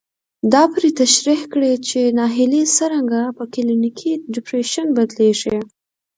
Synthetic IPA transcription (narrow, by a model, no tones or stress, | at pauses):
d̪ɑpɾet̪aʃɾihkɽet͡ʃenɑɦɪlisəɾaŋɡapəkɪlinikʰiɖɪpɾeʃənbad̪leʂi